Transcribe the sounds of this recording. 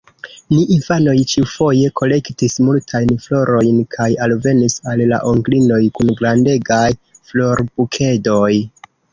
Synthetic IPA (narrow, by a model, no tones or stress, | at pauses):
niʔinfano̞jt͡ʃiufo̞je̞kʰo̞le̞ktismultʰajnflo̞ɾo̞jnkʰajalve̞nisalːa̰ʔoŋɡlino̞jkunɡɾande̞ɡajflo̞ɾbukʰe̞do̞j